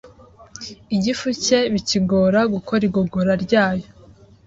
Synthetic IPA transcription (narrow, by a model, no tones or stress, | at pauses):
iɟifuce̞βiciɡo̞ːɾaɡukʰo̞ɾiɡo̞ɡoɾaɾɟaːjo